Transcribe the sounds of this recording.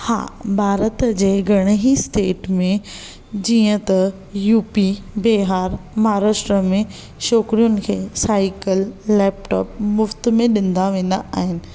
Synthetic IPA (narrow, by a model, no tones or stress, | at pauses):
ha̰ːbʱaːɾət̪d͡ʑeːɡʱɐɽ̃ɦisʈeːʈmẽ | d͡ʑiːə̃t̪ɐ | juːpi | beːɦaːɾmaːɾaːʃʈɾəmẽ | ʃoːkɾijʊnɪ̆kʰeːsaːɪkəlːɛːp̚ʈɔ̰ːp̚mʊft̪mẽɗɪ̃nd̪aʋẽːn̆d̪aʔa̰ːɦɪnɪ̆